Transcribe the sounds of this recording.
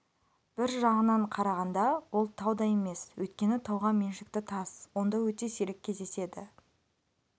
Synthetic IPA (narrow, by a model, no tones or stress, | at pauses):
b̥ɪɾʒɑʁənɑɴqʰɑɾɑʁɑnd̪ɑwo̞lˠt̪ʰɑwd̪ɑje̞me̞swɵjt̪̚kʲe̞nɪt̪ʰɑwʁɑme̞nʃɪk̚t̪ɪt̪ʰɑswo̞nd̪ɑwɵt̪e̞seɾekʲʰːe̞zd̪e̞se̞d̪ɪ